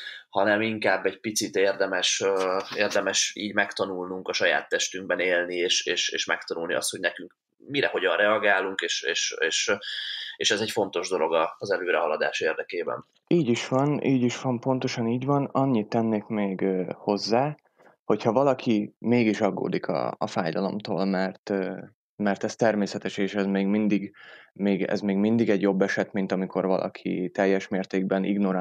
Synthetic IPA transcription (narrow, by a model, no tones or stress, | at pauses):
hɒnɛmiŋkaːbːɛɟpit̪sit̪eːrd̪ɛmɛʃeːrd̪ɛmɛʃḭːɟmɛkt̪ɒnulnuŋkɒʃɒja̰ːt̪ːɛʃt̪yŋɡ̚bɛneːlnieːʃeːʃḛːʃmɛ̰k̚t̪ɒnulnḭɒ̰st̪ho̞ɟnɛkyŋk | miɾɛɦo̞ɟɒnrɛɒɡaːluŋkeːʃḛːʃeːʃ | eːʃɛzɛcfo̞n̪t̪o̞ʒd̪o̞lo̞ɡɒːzɛløːɾɛɦɒlɒd̪a̰ːʃeːrd̪ɛkeːbɛ̰n | iːɟiʃʋɒnʔiːɟiʃʋɒmpo̞nt̪o̞ʃɒniːɟvɒnɒɲːit̪ːɛnːeːkmeːɡho̞zːaː | ho̞chɒvɒlɒkʰimeːɡiʃɒɡːo̰ːd̪ikʰɒ̰ːfaːjd̪ɒlo̞̰mt̪o̰ːlmɛrt̪ː | mɛrt̪ɛst̪ɛrmeːsɛt̪ɛʃeːʃɛzmeːɡmind̪iɡmeːɡɛ̰zmeːɡmind̪iɡɛɟjo̞bːɛʃɛt̪mint̪ɒmikʰo̞rvɒlʔɒ̰kʰḭt̪ɛjːɛʃmeːrt̪eːɡ̚bɛnʔḭɡno̞ɾaː